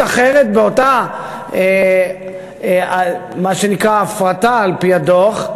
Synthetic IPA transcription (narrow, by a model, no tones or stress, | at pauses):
aχeʁet̪̚beota | e | amaʃenikʁaːfʁataːlpiadoχ